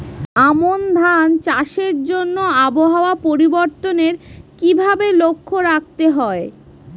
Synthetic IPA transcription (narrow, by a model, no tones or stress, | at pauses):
amond̪ʱant͡ɕaʃeɾd͡ʑonːoaboɦaoapoɾiboɾt̪oneɾkibʱabelokʰːoɾak̚t̪eɦɔe